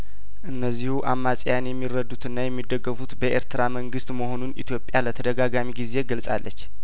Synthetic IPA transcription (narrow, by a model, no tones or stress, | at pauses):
ʔɨnːəzːihuʔamːasʼjanjɛmːirːəd̪ːut̪ʰɨnːajɛmːid̪ːəɡːəfut̪bəʔe̞̰ɾt̪ʰɨɾaməŋɡɨst̪məho̞nunit̪ʰjo̞pʼjalət̪ʰəd̪əɡaɡamiɡize̞ɡəlsʼa̰lːət͡ʃː